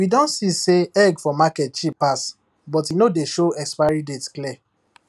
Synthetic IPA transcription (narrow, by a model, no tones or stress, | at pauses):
widɔ̃ntsiseɛɡfɔmakɛt̚t͡ʃipas | bɔtinodeʃoɛkspaɹidetskli